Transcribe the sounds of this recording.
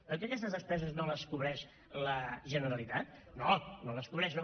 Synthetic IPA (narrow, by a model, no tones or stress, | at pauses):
pəɾkɛɐkɛst̪əzəspɾɛzəznoləskuβɾɛʃ | ləʒənəɾəlit̪at̪̚nonoləskuβɾɛʃno